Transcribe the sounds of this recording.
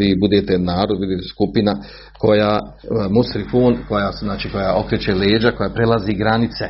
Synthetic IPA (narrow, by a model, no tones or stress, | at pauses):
ibud̪et̪enaːɾod̪̚bud̪eːt̪e̥skupina | ko̞jaː | musɾifuːnko̞jaːznaːt͡ʃiːko̞jaʔo̞kɾet͡ɕeleːd͡ʒako̞jaːpɾelaziɡɾanit̪se